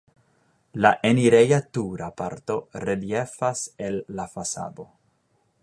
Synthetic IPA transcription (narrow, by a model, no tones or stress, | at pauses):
laʔeniɾejat̪uɾapa̰ɾt̪o̞redjefaselːafasa̰d̪o